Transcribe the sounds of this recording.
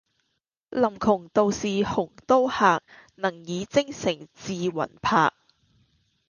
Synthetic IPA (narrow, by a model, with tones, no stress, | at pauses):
lɐ˨˩mkʰʊ˨˩ŋt̪o˨wsiː˨hʊ˨˩ŋt̪o˥whaː˨k̚nɐ˨˩ŋjiː˨˧t͡sɪ˥ŋsɪ˨˩ŋt͡siː˨˧wɐ̰˨˩npʰa̰ː˧k̚